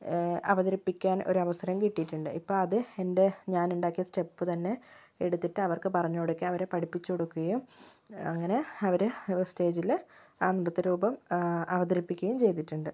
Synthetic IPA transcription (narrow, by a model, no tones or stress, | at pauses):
ɐ̰ʋɐðɐɾɐpːikʲːaːno̞̰ɾuɐʋɐsɐɾɐmkiʈːijiʈːuɳɖɨʔipːo̞ːɭɐðɨe̞nde̞ɲaːnuɳɖaːkːijɐsʈe̞pːɨt̪ɐnːe̞ | eɽut̪ːiʈːɨɐʋɐrkɨpɐrɐɲːoːɽukʲːɨɐʋɐɾepɐʈʰipːit͡ɕːukoɽukːuɣɐjum | ɐ̰ŋːɐne̞ɐʋɐɾɨste̞ːd͡ʑilaːniɽɐt̪ːɐɾuːbɐmɐʋɐðɐɾipːikʲːɣɐjumt͡ɕe̞jt̪iʈːuɳɖɨ